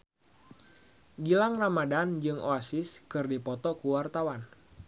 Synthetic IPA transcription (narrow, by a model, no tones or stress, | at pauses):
ɡilaŋramadand͡ʒɨŋʔoasɪskɨrdipɔt̪ɔkuwart̪awan